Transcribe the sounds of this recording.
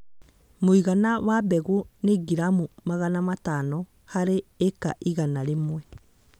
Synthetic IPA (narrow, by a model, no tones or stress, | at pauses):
moiɣanawabɛɣoneɡiɾamumaɣanamatanɔ | haɾeːka̰ʔiɣanaɾemwɛ